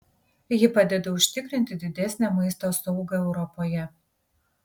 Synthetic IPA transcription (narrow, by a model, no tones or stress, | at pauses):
jɪpɐd̪ʲɛd̪ɐʊʃʲt̪ʲɪkɾʲɪnʲt̪ʲɪd̪ʲɪd̪ʲɛsʲnʲæmɐɪst̪oːsɔʊɡɐɛʊɾɔpoːjɛ